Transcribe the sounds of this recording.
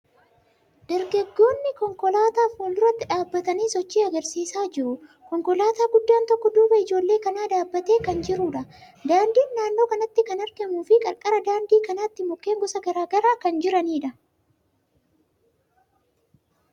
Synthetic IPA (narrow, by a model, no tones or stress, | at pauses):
d̪̥ɛɾɡɐɡːo̞ːnːɪkɔŋkɔlaːt̪aːfoːnd̪ʊɾɐt̪ːɪᶑaːbːɐt̪ɐniːsɔt͡ʃːiːɐɡɐɾsiːsaːd͡ʒɪɾʊ | kɔŋkɔlaːt̪aːɡʊd̪ːaːnt̪ɔkːɔd̪uːbɐɪd͡ʒo̞ːlːe̞ːkɐnaːd̪aːbːɐt̪e̞ːkɐnd͡ʒɪɾuᶑɐ | d̪aːnd̪iːnːaːnːo̞ːkɐnɐt̪ːɪkɐnɐɾɡɛmuːfɪkʼɐɾkʼɐɾɐd̪aːnd̪iːkɐnaːt̪ːɪmɔkːe̞ːŋɡɔsɐɡɐɾaːɡɐɾaːkɐnd͡ʒɪɾɐniːᶑɐ